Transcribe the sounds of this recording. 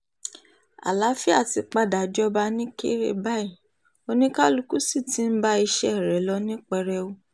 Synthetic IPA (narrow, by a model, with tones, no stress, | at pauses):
a̰˨la˨˦fi˦a˦˨ti˧k͡pa˧da˨d͡ʒɔ˧ba˧nĩ˦kḛ˦ɾḛ˧˨ba˦i˦˨ | o˧nĩ˦ka˦lu˧ku˦si˦˨ti˨˦n̩˦ba˦i˧ʃɛ˦˨ɾɛ˨˦lɔ˧˦nĩ˦k͡pɛ˧ɾɛ˧o˧